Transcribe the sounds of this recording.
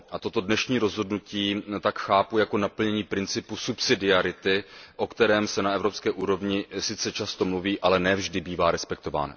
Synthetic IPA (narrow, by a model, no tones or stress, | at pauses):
ʔat̪o̞t̪o̞dnɛʃɲiːɾo̞zɦo̞dnuciːt̪akxaːpujako̞napl̩ɲɛɲiːpɾɪnt͡sɪpusupsɪdɪaɾɪt̪ɪʔo̞kt̪ɛɾɛːmsɛnaɛvɾo̞pskɛːʔuːɾo̞vɲɪsɪt͡sɛt͡ʃast̪o̞mluviːʔalɛnɛːvʒdɪbiːvaːɾɛspɛk̚t̪o̞va̰ːna̰